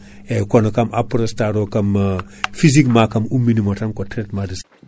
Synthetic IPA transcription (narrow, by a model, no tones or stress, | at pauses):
ekonokamapɾostaɾokam | fizikmakɐmumːinimotaŋkotɾetmadis